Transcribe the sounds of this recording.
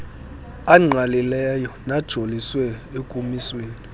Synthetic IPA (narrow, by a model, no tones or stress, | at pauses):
aŋ͡ǀʱalilɛjɔnad̥ʒ̥ʱoliswɛekʼumisweːni